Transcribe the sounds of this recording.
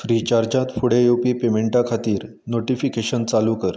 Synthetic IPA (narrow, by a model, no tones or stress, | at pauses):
fɾit͡ɕaɾd͡ʑãt̪fuɽejopiːpemeɳʈakʰat̪iːɾ | noʈifikeɕənt͡saluːkəɾ